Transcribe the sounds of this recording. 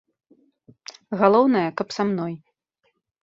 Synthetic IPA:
ɣalˠɔwnɐjɐkɐpsamnɔj

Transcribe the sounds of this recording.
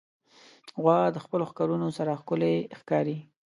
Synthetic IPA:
ɣwɑd̪əxpəloxkɑɾunosaɾaxkʊlexkɑɾi

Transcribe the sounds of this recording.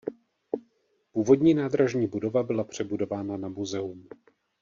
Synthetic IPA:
puːvo̞dɲiːnaːd̪ɾaʒɲiːbudo̞vabɪlapr̝̥ɛbudo̞vaːnanamuzɛum

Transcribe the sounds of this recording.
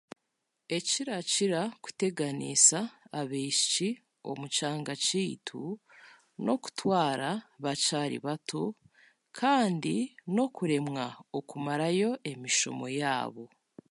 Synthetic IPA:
e̞ciɾaciɾaku̥te̞ɡanḭsaːβiʃit͡ʃi | o̞̰mut͡ʃaːŋɡaciːtʰṵ | no̞ku̥twaːɾaβat͡ʃaːɾḭβatʰo | kʰaːndino̞kuɾe̞mŋaokumaɾajo̞ʔe̞miʃo̞̰mo̞ja̰ːβo̞

